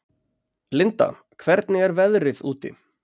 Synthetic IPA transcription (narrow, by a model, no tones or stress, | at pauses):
lɪnt̪a̰ | kʰvɛɾt̪nɪɛɾvɛðɾɪðuːt̪ɪ̰